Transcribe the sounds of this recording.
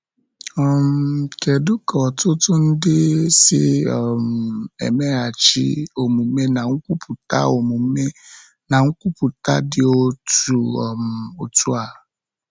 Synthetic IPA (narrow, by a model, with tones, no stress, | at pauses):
ɔ˨mkʰɛ˨du˦kɔ˨tʊ˦tʰʊ˦n̩˦dɪ˦sɪ˦ɔ˨mɛ̰˨mɛ̃˦a˨t͡ɕḭ˦o˨mũ˨mẽ˦nã˨ŋ̩˦ku˦pʰu˨ta̰˦o˨mũ˨me˦ | nã˨ŋ̩˦ku˦pʰu˨ta˦dɪ˦o˦tu˨ɔ˨mo˨tʰu˦a˨